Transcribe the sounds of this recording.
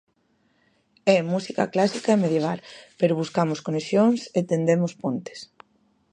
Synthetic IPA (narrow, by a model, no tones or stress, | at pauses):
ɛmusika̰klasikaemeðjeβ̞alpeɾoβ̞uskamʊskonesjoŋset̪end̪emʊspont̪e̥s